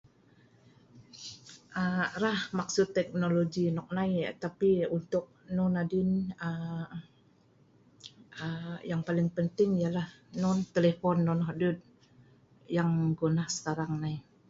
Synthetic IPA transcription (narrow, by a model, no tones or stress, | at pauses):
ʔərahmak̚sʊt̪ːɛk̚noloɡinɔk̚naḭt̪apiunt̪ʊk̚nɔnadɪnə | əjaŋpalɪŋpənt̪ɪŋijalahnɔnt̪elefɔnːɔnɦɔdut̪̚ | jaŋɡonahsə̥kaɾaŋnai